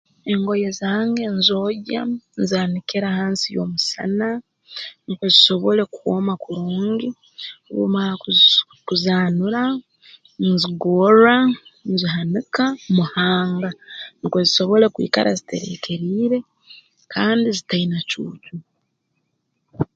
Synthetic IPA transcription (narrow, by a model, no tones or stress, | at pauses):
e̞ŋɡo̞jeziaːŋɡe̞nzo̞ɟanzaːnikeɾahaːnsijo̞̰ːmusa̰na | nikoziso̞βo̞le̞kuwo̰ːmakuɾuːŋɡi | βṵmaa | kuzaːnuɾa | nziɡo̞ɾanziɦanikamuhaːŋɡanikwo̞ziso̞βo̞le̞kwḭːka̰ɾa̰zite̞̰ɾe̞̰kʰe̞ɾiːɾe̞ | kʰaːndizitainacuːcu